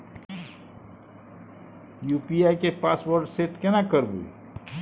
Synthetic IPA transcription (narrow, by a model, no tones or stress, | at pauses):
juːpiajkepaːswəɾɖseːʈkɛnakəɾbṵ